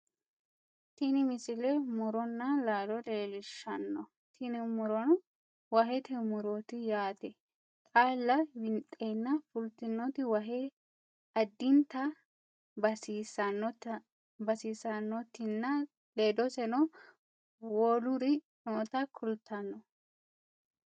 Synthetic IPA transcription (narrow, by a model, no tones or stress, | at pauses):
t̪ɪnɪmɪsɪlɛmʊɾɔnːɐlaːlɔleːlɪʃɐnːɔ | t̪ʰɪnɪmʊɾɔn | wɐɦɛt̪ʰɛmʊɾɔt̪ɪjaːt̪ɛ | kʼaːlːɐwɪnt̪ʼːenːɐfʊlt̪ɪnːɔt̪ɪwɐɦɛ | ɐd̪ːɪnt̪ɐ | bɐsiːsɐnːɔt̪ | bɐsiːsɐnːɔt̪ːɪnːɐ | le̞ːd̪ɔsɛnɔ | woːlʊɾɪ | noːt̪ɐkʰʊlt̪ːɐnːɔ